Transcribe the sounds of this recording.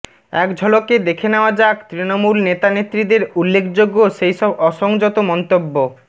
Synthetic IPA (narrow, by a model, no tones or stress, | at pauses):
ɛkd͡ʑʱɔloked̪ekʰeneoad͡ʑakt̪ɾinomulnet̪anet̪ːɾid̪eɾulːekʰd͡ʑoɡːoʃejʃɔbɔʃoŋd͡ʑɔt̪omɔnt̪obːo